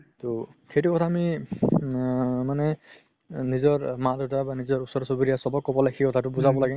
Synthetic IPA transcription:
tɔxejtukɔtʰaːmi | manɛ | nizɔɹmadɔtabanizɔɹusɔɾɔsobiɾijasɔbɔkːɔbɔlajxejkɔtʰatʊbuzʱabɔlaɡɛ

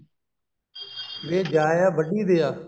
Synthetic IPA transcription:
ʋeːd͡ʒaːjaːʋəɗiːd̪eːaː

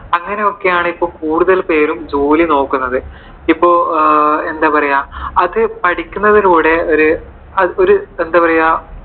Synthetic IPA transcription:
ɐŋːɐnejo̞kːe̞jaːɳɨipːo̞ːkuːɽuðɐlpe̞ːɾumd͡ʑoːlino̞ːkːunːɐðɨ | ipːo̞ːe̞nd̪aːpɐrɐjaːɐðɨpɐʈikʲːunːɐðiluːɽeo̞ɾu | ɐoɾuend̪aːpɐrɐjaː

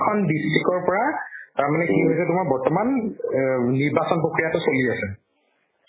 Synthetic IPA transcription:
kʰɔnbistʰikɔɹpɔɹataɹmanɛkiɦojsɛtʊmaɹbɔɹtɔman | niɹbasɔnpɹokɹijatʊsoliasɛ

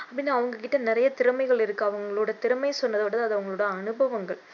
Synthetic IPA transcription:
ɐpːɐɽɪnːaːʋɐŋɡɐkɪʈːɐnɪɾɐjɐt̪ɪɾɯmɐɪɣɐɭɪɾɯkːɯɐʋɐŋɡɐɭuːɽɐt̪ɪɾɯmɐɪsɔnːɐðɐʋɐɽɐðɯɐðɯɐʋɐŋɡɐɭoːɽɐːnɯbɐʋɐŋɡɐɭ

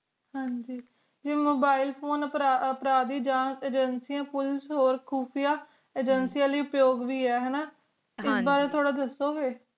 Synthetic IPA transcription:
hãːɲd͡ʒiː | d͡ʒeːmoːbaːɪlpʰoːnəpɾaːəpɾaːd̪iːd͡ʒãːseːd͡ʒənsijãːpʊlsɦoːɾkʰuːpʰijaː | eːd͡ʒənsiːãːliːʊpjoːɡʋiːɛːɦɛːnaː | ɪsbaːɾeːt̪ʰoːɽaːd̪əsːoːɦeː

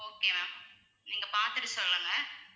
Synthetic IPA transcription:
oːkeːmaːm | niːŋɡɐpaːɾt̪ɯʈːɯsɔlːɯŋɡɐ

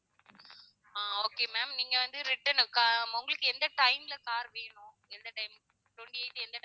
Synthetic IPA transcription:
aːoːkeːmaːmniːŋɡɐʋɐnd̪ɯɾɪʈːɐnkaʊŋɡɐɭɯkːɯɛnd̪ɐʈɐɪmɪlɐkaːɾʋeːɳʊ̃ | ɛnd̪ɐʈɐɪm | ʈ̪ɔɳɖieɪt̪ːɯɛnd̪ɐ

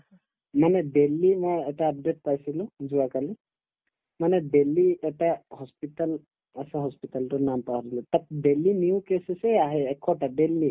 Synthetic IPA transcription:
manɛdelːimɔjɛtaːp̚det̚pajsilʊ̃zʊakali | manɛdelːiɛtahɔspital | asɛɦɔspitaltʊnampawadilʊ̃tat̚delːiniʊkesɛsɛaɦɛːkʰːɔʈaɖelːi

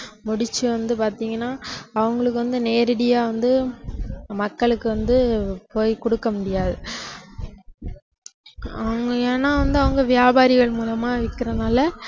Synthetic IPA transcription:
mʊɽɪt͡ʃːɯʋɐnd̪ɯpaːɾt̪iːŋɡɐnːaːɐʋɐŋɡɐɭɯk̬ːɯʋɐnd̪ɯneːɾɪɽɪjaːʋɐnd̪ɯ | mɐkːɐɭɯkːɯʋɐnd̪ɯpoːjkɔɽɯkːɐmʊɽɪjaːðɯ | ɐʋɐŋɡɐeːnːaːʋɐnd̪ɯɐʋɐŋɡɐʋɪjaːbaːɾɪɣɐɭmuːlɐmaːʋɪkːɪɾɐnaːlɐ

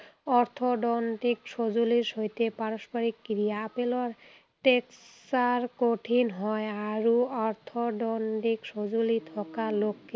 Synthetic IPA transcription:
ɔɾt̪ʰoɖɔnɖikʃod͡ʑuliɾʃojt̪epaɾoʃpaɾikːɾiaapeloɾ | ʈeksaɾkoʈʰinɦɔeaɾuɔɾt̪ʰoɖɔnɖikʃod͡ʑolit̪ʰɔkalokːe

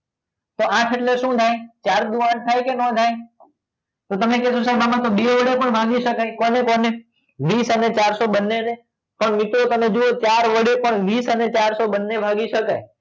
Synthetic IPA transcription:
t̪oːãːʈʰəʈlesũːd̪ʱaːĩːt͡ʃaːɾd̪uãːnt̪ʰaːikenõːd̪ʱaːĩː | t̪oːt̪əmẽkeːsosbaːmãt̪oɓiːʋəɽepəɳbʱaːɡisəkaekoːnekoːne | ʋiːsənet͡ʃaːɾsoːɓənːeənẽ | pəɳmɪʈot̪əmẽd͡ʒuot͡ʃaːɾʋəɽepəɳʋiːsənet͡ʃaːɾsoɓənːebʱaːɡisəkə̰

